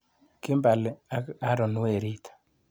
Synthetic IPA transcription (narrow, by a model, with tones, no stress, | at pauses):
kɪ˦mba˨lɛ˨a˦ka˦ɾɔ˨nʊ˦e˨ɾi˦t̪ʰḁ˨